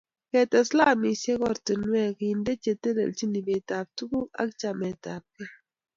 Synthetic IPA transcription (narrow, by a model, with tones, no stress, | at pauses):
kɛ˨tɛ˨sla˦mi˨se˦kɔ˦˨ɾtə˨n˦ɛ˦˨ki˨i˨nde˦t͡ʃe˨te˦lḛ˨lt͡ʃi˦ni˨be˨ta˨b̚tu˦ɡu˦a̰˦kt͡ʃa˨mɛ˨ta˨p̚ke˦